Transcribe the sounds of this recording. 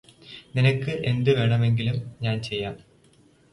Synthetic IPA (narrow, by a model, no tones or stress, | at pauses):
ninɐkːɨʔe̞nd̪ɨʋe̞ːɳɐme̞ŋɡilumɲaːnt͡ɕe̞jːaːm